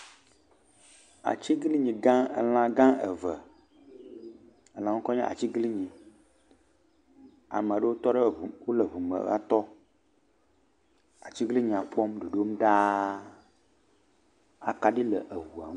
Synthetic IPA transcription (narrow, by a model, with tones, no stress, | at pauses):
a̰˨t͡ɕi˦ɡli˦ɲĩ˨ɡã˦ə̰˨l̃ã˦ɡã˦ə˨və˨ | ə˨lã˨ŋu˦kɔ˦ɲã˦ʔa̰˨t͡ɕi˦ɡli˦ɲĩ˨ | a̰˨mə˨ɖə˦wo˦t̪ɔ˦ɖə˦˨wo˦lə˨vu˨mə̰˨˦ɣa̰˦t̪ɔ˦ | a̰˨t͡ɕi˦ɡli˦ɲĩ˨a˨k͡pɔ˦mɖo˨ɖo˦m˦ɖa˦ | a̰˨ka˦ɖi˦lə˨ʔə˨wu˨a̰˨˦